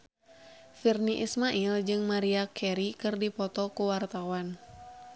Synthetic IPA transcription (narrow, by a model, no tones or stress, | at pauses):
firniʔismaʔild͡ʒɨŋmaɾiakʰɛɾikɨrdipɔt̪ɔkuwart̪awan